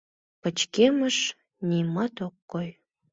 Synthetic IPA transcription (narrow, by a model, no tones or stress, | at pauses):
pət͡ɕkeməʃ | nʲimɑt̪okːoj